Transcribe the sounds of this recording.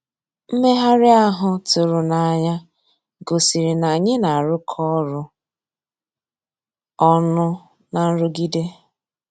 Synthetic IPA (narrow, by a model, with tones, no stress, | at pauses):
m̩˦me˦ɦa˦ɾɪ˦a˦ɦʊ˨tʊ˨ɾʊ˨na˨a˨ɲa˦ | ɡo˨si˨ɾi˨na˨ɲe˦na˨ɾʊ˦kʰɔ˦ɾʊ˦ | ɔ˦nʊ˦ | na˨n̩˦ɾʊ˦ɡi˦de˦